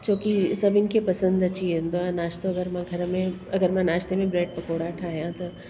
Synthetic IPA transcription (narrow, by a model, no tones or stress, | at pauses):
t͡ʃõːkisɐbɪnkepɐsə̃nd̪ɐt͡ʃiɦẽnd̪oãnaːʃt̪oɐɡəɾmɐ̃ɡʱɐɾmẽɐɡəɾmɛ̃naːʃt̪emẽbɾeːɖ̚pɐkoːɽaʈʰaːjãt̪o